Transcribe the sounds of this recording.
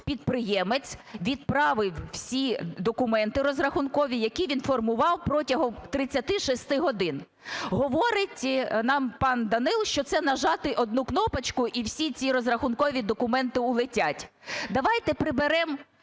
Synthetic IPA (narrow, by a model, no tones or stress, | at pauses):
pʲid̪pɾɪjɛmet͡sʲʋʲid̪pɾɑʋɪwwsʲid̪ɔkʊmɛnt̪ɪɾɔzrɐxʊnkɔʋʲijɐkʲiʋʲinfɔrmʊʋɑwpɾɔtʲɐɦɔmt̪ɾɪt͡sʲːɐt̪ɪʃest̪ɪɦɔd̪ɪn | ɦɔʋɔɾɪtʲnɑmpɑnd̪ɐnɪlˠʃt͡ʃɔt̪sɛnɐʒɑt̪ɪʔɔd̪̚nuknɔpɐt͡ʃkʊʔiwsʲit͡sʲiɾɔzrɐxʊnkɔʋʲid̪ɔkʊmɛnt̪ɪʊlˠɪtʲatʲ | d̪ɐʋɑjt̪ɛpɾɪbeɾɛm